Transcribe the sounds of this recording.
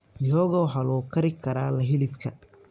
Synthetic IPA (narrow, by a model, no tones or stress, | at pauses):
nɪjɔːɣɐwɦɐlɔːkʰɐɾɪkʰɐɾaːlɐɦɪlɪbkʰɐ